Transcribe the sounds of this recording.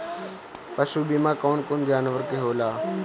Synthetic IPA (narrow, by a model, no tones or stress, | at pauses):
pəʃuːbiːmãːkoːnkoːnd͡ʒaːnʋəɾkeːɦoːlaː